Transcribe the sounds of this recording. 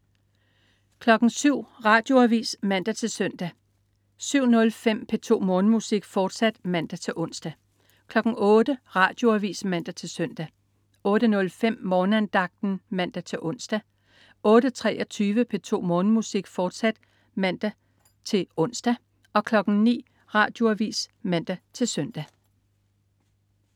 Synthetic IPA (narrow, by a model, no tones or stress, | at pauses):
kʰlɒ̽ɡ̥ŋ̩syʊ̰ʁɑ̈ːd̥jo̝æʋḭːsmæn̰d̥æt͡sʰe̝lsœn̰d̥æ | syʊ̰nɔ̽lfem̰pʰet͡sʰo̝̰ːmɔ̽ːnəmusiɡ̥fɒːd̥sæd̥mæn̰d̥æt͡sʰe̝ʔɔ̽n̰sd̥æ | kʰlɒ̽ɡ̥ŋ̩ɔ̽ːd̥əʁɑ̰̈d̥jo̝æʋḭːsmæn̰d̥æt͡sʰe̝sœn̰d̥æ | ɔ̽ːɾ̥ənɔ̽lfem̰mɒːnəænd̥ɑ̈ɡ̥̚d̥n̩mæn̰d̥æt͡sʰe̝ʔɔ̽n̰sd̥æ | ɔ̽ːɾ̥ət͡sʰʁɛ̰ːʔɒ̽t͡sʰyːʋəpʰe̝t͡sʰo̝̰ːmɔ̽ːnəmusiɡ̥fɒːd̥sæd̥ | mæn̰d̥æ | t͡sʰe̝lɔ̽n̰sd̥æ | ɒ̽kʰlɒ̽ɡ̥n̩ŋ̩nḭː | ʁɑ̰̈ːd̥jo̝æʋḭːsmæn̰d̥æt͡sʰe̝lsœn̰d̥æ